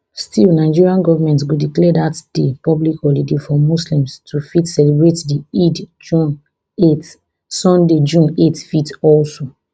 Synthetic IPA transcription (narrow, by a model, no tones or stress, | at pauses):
stilnaɪd͡ʒiɹiãnɡɔvamɛ̃ntɡudiklɛdatd̥epɔblikɔlidefɔmuslĩmstʰufitsɛlebɹetdiidd͡ʒũn | et | sɔ̃nded͡ʒũnetfitɔlso